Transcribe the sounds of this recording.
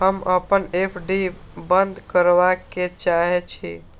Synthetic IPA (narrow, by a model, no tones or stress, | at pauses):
ɦəməpənepʰɖi | bənd̪ʱkəɾʋaket͡ʃaɦɛt͡ʃʰḭ